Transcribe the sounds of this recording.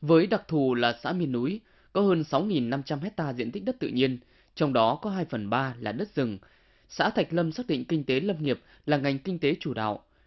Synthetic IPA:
vəː˨˦jɗa˨˩k̚t̪ʰu˨˩laː˨˩sa̰ː˧˥mi˧ənːu˨˦j | kɔ˨˦həː˧nsa˨˦wŋi˨˩nːa˧mt͡ɕa˧mhɛ˦˥t̚t̪aː˧zḭ˧ənt̪i̟˦˥ɗə˦˥t̚t̪ɨ̰˧˨ɲi˧ən | t͡ɕɔ˧wŋ͡mɗɔ˨˦kɔ˨˦ɦaː˧jfə˨˩nɓaː˧laː˨˩ɗə˦˥t̚zɨ˨˩ŋ | sa̰ː˧˥t̪ʰa˨˩jk̟̚lə˧msaː˦˥k̚ɗḭ̈˧˨ŋ̟kï˧ŋ̟t̪e˨˦lə˧mŋi˨˩əp̚ | laː˨˩ŋa˨˩jŋ̟ki˧ŋ̟t̪e˨˦t͡ɕu˧˩ɗa̰ː˧˨wʔ

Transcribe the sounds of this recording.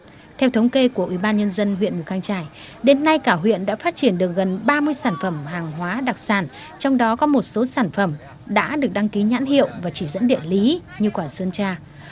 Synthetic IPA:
t̪ʰɛ˧wt̪ʰə˨˦wŋ͡mke˧ku˧˩əʔwi˧˩ɓaː˧nɲə˧nzə˧nɦwḭ˧˨ənmu˨˩t̚ha˧ŋt͡ɕaː˧˩j | ɗe˨˦nːa˧jkaː˧˩ɦwḭ˧˨ənɗa̰ː˧˥faː˦˥t̚t͡ɕi˧˩ənɗɨ˨˩ək̚ɣə˨˩nɓaː˧mɨ˧əjsaː˧˩nfə˧˩mɦaː˨˩ŋɦwaː˨˦ɗa˨˩k̚saː˧˩n | t͡ɕɔ˧wŋ͡mɗɔ˨˦kɔ˨˦mo˨˩t̚so˨˦saː˧˩nfə˧˩m | ɗa̰ː˧˥ɗɨ˨˩ək̚ɗa˧ŋki˨˦ɲa̰ː˧˥nhḭ˧˨əwvaː˨˩t͡ɕi˧˩zə̰˧˥nɗḭ˧˨ənli˨˦ɲɨ˧kwaː˨˩sɨ˧nt͡ɕaː˧

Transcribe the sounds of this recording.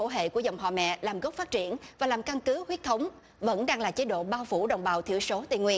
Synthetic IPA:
o̰˧˩ɦḛ˧˨ku˧˩əzə˨˩wŋ͡mɦa̰ː˧˨˩mɛ̰˧˨laː˨˩mɣə˦˥p̚fa˦˥t̚t͡ɕi˧˩ənvaː˨˩laː˨˩mka˧nkɨ˨˦hwi˦˥ət̚t̪ʰə˨˦wŋ͡m | və̰˧˥nɗaː˧ŋlaː˨˩t͡ɕe˨˦ɗo̰˧˨ɓaː˧wfu˧˩ɗə˨˩wŋ͡mɓaː˨˩wt̪ʰḭ˧˩əwso˨˦t̪ḭ˧˩ŋwḭ˧˩ən

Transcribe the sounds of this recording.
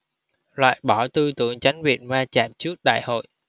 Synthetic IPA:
lwa̰ː˧˨jɓɔ˧˩t̪ɨ˧t̪ɨ̰˧˩əŋt͡ɕa˨˦jŋ̟ɓḭ˧˨ənvaː˧t͡ɕaː˨˩p̚t͡ɕɨ˦˥ək̚ɗa̰ː˧˨jho̰˧˨jʔ

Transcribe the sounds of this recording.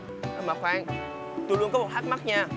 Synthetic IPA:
ʔa˧maː˨˩xwaː˧ŋ | t̪u˧lu˧ənkɔ˨˦mo˨˩t̚ha˦˥t̚ma˦˥t̚ɲaː˧

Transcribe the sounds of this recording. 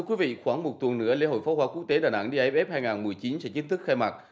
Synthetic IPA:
t̪ʰɨ˧əkwi˨˦vḭ˧˨xwaː˧˩ŋmo˨˩t̚t̪wə˨˩nnɨ̰˧˥əle˧˥ho̰˧˨jfɔ˨˦hwaː˨˦kwək̚t̪e˨˦ɗaː˨˩nʔa̰˧˥ŋɗi˧ʔə˨˦p̚ʔɛ˦˥p̚haː˧jŋaː˨˩nmɨ˨˩əjt͡ɕi˨˦nsɛ̰˧˥t͡ɕï˨˦ŋ̟t̪ʰɨ˦˥k̚xa˧jma˨˩t̚

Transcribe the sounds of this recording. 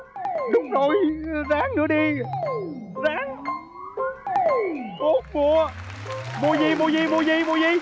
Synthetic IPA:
ɗʊ˨˦˥ŋ͡mzo˨˩jzaː˨˦ŋnɨ̰˨˧˦əɗi˧ | zaː˨˦ŋ | ko˨˦˥t̚mu˧˩ə | mu˧əzi˧mu˧əzi˧mu˧əzi˧mu˧əzi˧

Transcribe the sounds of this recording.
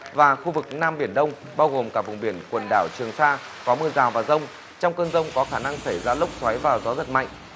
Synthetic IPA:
vaː˨˩xu˧vɨ˨˩k̚naː˧mɓi˧˩ənɗə˧wŋ͡m | ɓaː˧wɣo˨˩mkaː˧˩k̚vʊ˨˩ŋɓi˧˩ənkwə˨˩nɗaː˧˩wt͡ɕɨ˨˩əŋsaː˧ | kɔ˨˦mɨ˧əzaː˨˩wvaː˨˩zə˧wŋ͡m | t͡ɕɔ˧wŋ͡mkəː˧nzə˧wŋ͡mkɔ˨˦xaː˧˩na˧ŋsa˧˩jzaː˧lʊ˦˥k͡p̚swa˨˦jvaː˨˩wzɔ˨˦zə˨˩t̚ma̰˧˨jŋʔ̟

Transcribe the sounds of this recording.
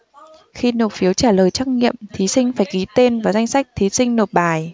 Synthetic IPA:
xi˧no˨˩t̚fi˨˦əwt͡ɕaː˧˩ləː˨˩jt͡ɕa˦˥k̚ŋḭ˧˨əmt̪ʰi˨˦sï˧ŋ̟faː˧˩jki˨˦t̪e˧nvaː˨˩za˧jŋ̟sa˦˥jk̟̚t̪ʰi˨˦sï˧ŋ̟no˨˩t̚ɓaː˨˩j

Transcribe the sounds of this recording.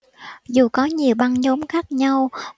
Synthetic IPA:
zu˨˩kɔ˨˦ɲi˨˩əwɓa˧nɲo˨˦mxaː˦˥k̚ɲa˧w

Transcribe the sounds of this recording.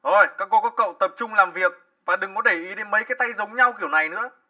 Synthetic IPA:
ʔo˨˩jkaː˧˥kːɔ˧˦kɔː˨˦˥kːə̰˧˨wt̪ə˨˩p̚t͡ɕʊ˧ŋ͡mlaː˨˩mvi˨˩ək̚ | vaː˨˩ɗɨ˨˩ŋkɔ˨˦ɗ̪e˧˩ʔi˨˦ɗe˨˦nmə˨˦jkaː˨˦jt̪a˧jzə˨˦wŋ͡mɲa˧wki˧˩əwna˨˩jnɨ̰˧˥ə

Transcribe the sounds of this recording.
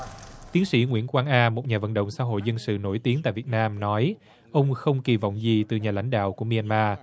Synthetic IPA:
t̪i˨˦nsḭ˧˥ŋwi˧˥ənkwaː˧ŋʔaː˧mo˨˩t̚ɲaː˨˩və̰˧˨nɗə̰˧˨wŋ͡msa̰ː˧˥ɦo̰˧˨jzə˧nsɨ̰˧˨no˧˩jt̪i˨˦ənt̪a̰ː˧˨vi˨˩ət̚naː˧mnɔ˨˦j | ʔə˧wŋ͡mxə˧wŋ͡mki˨˩va̰˧˨wŋ͡mzi˨˩t̪ɨ˨˩ɲaː˨˩la̰˧˥jŋ̟ɗa̰ː˧˨wku˧˩əmi˧a˧nmaː˧

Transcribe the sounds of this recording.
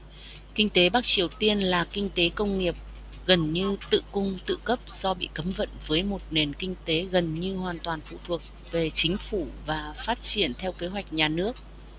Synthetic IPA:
kï˧ŋ̟t̪e˨˦ɓaː˦˥k̚t͡ɕi˨˩əwt̪i˧ənlaː˨˩kï˧ŋ̟t̪e˨˦kə˧wŋ͡mŋi˨˩əp̚ | ɣə˨˩nɲɨ˧t̪ɨ̰˧˨kʊ˧ŋ͡mt̪ɨ̰˧˨kə˦˥p̚z̥ɔ˧ɓḭ˧˨kə˨˦mvə̰˧˨nvəː˨˦jmo˨˩t̚ne˨˩nkï˧ŋ̟t̪e˨˦ɣə˨˩nɲɨ˧ɦwaː˨˩nt̪waː˨˩nfṵ˧˨t̪ʰu˨˩ək̚ | ve˨˩t͡ɕï˨˦ŋ̟fu˧˩vaː˨˩faː˦˥t̚t͡ɕi˧˩ənt̪ʰɛ˧wke˨˦ɦwa˨˩jk̟̚ɲaː˨˩nɨ˦˥ək̚

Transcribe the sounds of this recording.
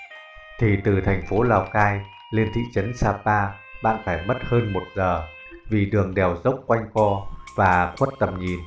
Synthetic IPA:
t̪ʰi˨˩t̪ɨ˨˩t̪ʰɛ˨˩jŋ̟fo˨˦laː˨˩wkaː˧j | li˧ənt̪ʰḭ˧˨t͡ɕə˨˦nsaː˧paː˧ | ɓa̰ː˧˨nfaː˧˩jmə˦˥t̚həː˧nmo˨˩t̚zəː˨˩ | vi˨˩ɗɨ˨˩əŋɗɛ˨˩wzə˦˥wk͡p̚kwa˧jŋ̟kɔ˧vaː˨˩xwə˦˥t̚t̪ə˨˩mɲi˨˩n

